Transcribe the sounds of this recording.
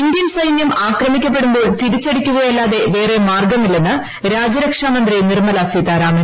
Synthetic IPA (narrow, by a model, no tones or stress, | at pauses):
ind̪jɐnsɐjnjɐmaːkrɐmikʲːɐp̬ːe̞ɽumbo̞ːɭt̪iɽit͡ɕːeɽikʲːuɣɐjɐlːaːðe̞ʋe̞ːre̞maːrɡɐmːilːenːɨ | ɾaːd͡ʑɐɾɐkʂaːmɐnd̪rinirmɐlaːsit̪aːɾaːmɐn